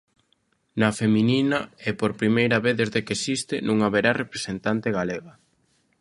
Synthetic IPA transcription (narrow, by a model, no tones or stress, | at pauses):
nɐfemĩninɐepoɾpɾimejɾɐβeθðezðekesist̪ɪnũŋaβeɾarepɾesent̪ant̪eɣaleɣɐ